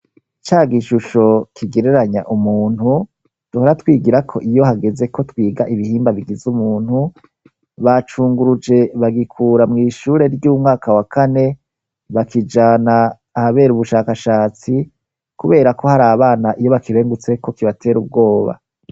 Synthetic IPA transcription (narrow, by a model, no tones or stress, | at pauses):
it͡ʃaːɡiʃuʃo̞kʰiɡe̞ɾe̞ɾaɲaʔumuːnhu | d̥uhoɾatwiːɡiɾakʰo̞ʔijo̞haɡe̞ze̞ko̞twiːɡaʔiβihiːmbaβiɡizumuːn̥hu | βat͡ʃuːŋɡuɾud͡ʒe̞βaɡikʰuːɾamŋiːʃuːɾe̞ɾɟuːmŋaːkawakane̞ | βakid͡ʒaːnaː | haβe̞ːɾuβuʃaːkaʃaːt͡si | kuβe̞ːɾako̞haɾaːβaːnaʔijo̞βakiɾe̞ːŋɡut͡se̞ko̞kiβatʰe̞ːɾub̚ɡo̞ːβa̰